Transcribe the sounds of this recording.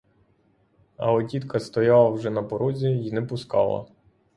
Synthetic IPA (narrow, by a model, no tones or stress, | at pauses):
ɐ̰ɔdʲit̪kʰɐst̪ɔjɑlˠɐwʒɛnɐpɔɾɔzʲijinɛpʊskɑ̰lˠɐ̰